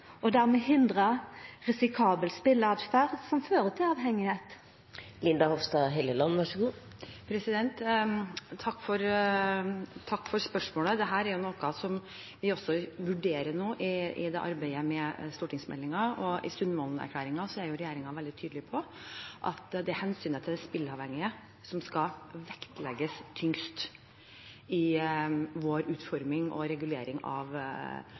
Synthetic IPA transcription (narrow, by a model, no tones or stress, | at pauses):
ɔd̪æʁmɛːɦɪnd̪ɾəɾɛsɪkʰɑːbəlspɪləɑd̪fæʁsɔmføːɾət̪ʰɪlɑːʋhɛŋːɪheːt̪ | lɪnd̪ɑhɔʋst̪ɑːɦɛljəlɑnːʋɑʂɡuː | pʰɾɛsɪd̪ɛnt̪ʰː | ɑkːfɔɾ | t̪ʰɑkːfɔɾspœʂmoːləd̪ɛɦæːɾæɾjʊnɔkɑsɔm | ʋɪɔsːɔʋʉɖeːɾəɳuːʔɪɪ̰d̪ɛʔɑ̰ɾbæɪəmɛst̪uːʈɪŋsmɛ̰lːɪŋɑɔɪ̰st̪ʉnd̪əmɔːlnæ̰ɾkʰlæːɾɪŋɑsɔæɾjʊɾɛjeːɾɪŋɑʋɛld̪ɪt̪ʰyːd̪lɪpʰɔʔɑ̰t̪d̪ɛæhɛnsyːnət̪ʰɪld̪ɛspɪlːɑʋhɛŋːɪə | sɔmskɑʋɛkt̪lɛɡːəst̪ʰʏŋst̪ | ɪ | ʋoːɾʉːt̪fɔɾmɪŋʔɔ̰ɾɛɡʉleːɾɪŋɑ̰ʋ